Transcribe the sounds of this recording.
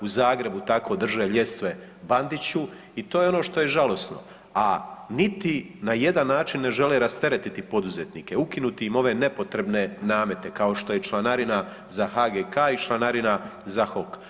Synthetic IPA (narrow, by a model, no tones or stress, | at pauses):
uzaːɡɾe̞but̪ako̞d̪r̩ʒeʎe̞st̪ʋe̞ | band̪it͡ɕu | it̪o̞ːjeo̞no̞ːʃt̪o̞je̞ʒalo̞sno̞̰ | anit̪inaje̞d̪anːaːt͡ʃinːe̞ʒe̞leɾast̪e̞ɾet̪it̪ipo̞d̪uzet̪niːkeukinut̪iimo̞ʋe̞ne̞po̞t̪ɾe̞bne̞naːme̞t̪e̞kao̞ʃt̪o̞je̞t͡ʃlˠanaɾina | zaxaɡekaːit͡ʃlˠanaɾinazaxo̞k